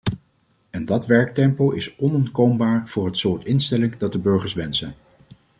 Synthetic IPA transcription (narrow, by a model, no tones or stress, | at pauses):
ɛndɑtʋɛɹk̚tɛmpowʔɪsɔnɔntkowmbaːɹv̥ʊːɹɦətsʊːɹtɪnstɛlɪŋdɑd̚dəbɵɹχəɹsʋɛnsən